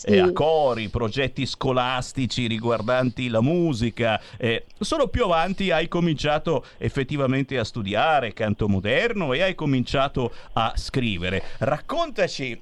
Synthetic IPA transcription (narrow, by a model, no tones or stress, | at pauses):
akːɔːɾipɾod͡ʒɛt̪ːiskolast̪it͡ʃiɾiɡward̪ant̪ilamuːzikaɛ | soːlopjuavant̪iajkomint͡ʃaːt̪o | efːet̪ːivament̪east̪ud̪jaːɾekant̪omod̪ɛrnoeajkomint͡ʃaːt̪oa̰skɾiːveɾerakːont̪at͡ʃi